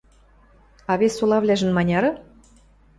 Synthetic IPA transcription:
ɑβesulˠɑβlʲæʒɘ̆nmɑnʲɑɾɤ̆

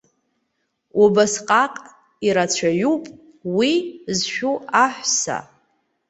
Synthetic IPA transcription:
ubasqʼaqʼ | iɾat͡ɕʷʰaɥupʼ | wizʃᶣuaħʷsa̰

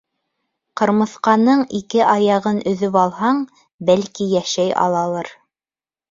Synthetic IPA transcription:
qɤ̆ɾmɤ̆θqɑnɤɴikɘʔɑjɑʁɤnʔɵ̆ðɵpɑlˠhɑɴ | bælkijæʃæjɑ̰lˠɑlˠɤɾ

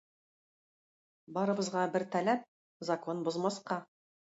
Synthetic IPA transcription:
bɑɾɤ̆bɤ̆zʁɑbɘɾt̪ælæp̚ | zɐko̞nbŏzmɑsqɑ

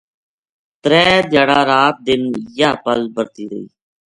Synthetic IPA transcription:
t̪ɾɛːd̪jaːɽaːɾaːt̪̚d̪ɪnjaːpəlbəɾt̪iːɾə̰ḭː

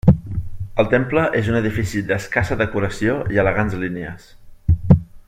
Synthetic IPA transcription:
əlˠt̪empləʔezunəðifisid̪əskasəðəkuɾəsioiələɣanzlineə̰s

